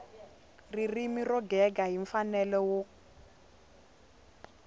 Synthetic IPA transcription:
ririmirɔɡɛɡaɦiɱfanɛlɛwo

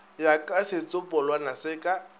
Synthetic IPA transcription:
jakʼasɪt͡sʼʊpʼɔlwanasɪːkʼa

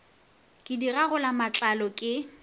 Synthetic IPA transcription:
kʼɪdiɣaɣʊlamat͡ɬʼalɔkʼɪ

